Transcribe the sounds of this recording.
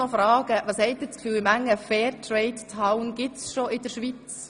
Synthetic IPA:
ɔfɾɑːɡ̥əʋɑːshɛɪt̚d̥ɪːt͡skfyːlɪmæŋːəfɛːɾtʰɾɛɪttʰaʊnɡ̥ɪsʃoʔɪd̥əɾʃʋit͡s

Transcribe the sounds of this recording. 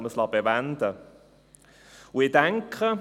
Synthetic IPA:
məslɑbeʋænd̪ə | ʊɪdɛŋkʰə

